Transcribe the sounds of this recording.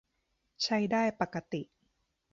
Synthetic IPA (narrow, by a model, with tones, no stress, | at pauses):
t͡ɕʰa˦˥jdaː˥˩jpa˨˩kːa˧t̪i˨˩ʔ